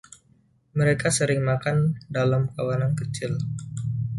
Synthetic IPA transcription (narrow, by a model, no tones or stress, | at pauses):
məɾekasəɾɪŋmakandalamkawanankət͡ʃɪl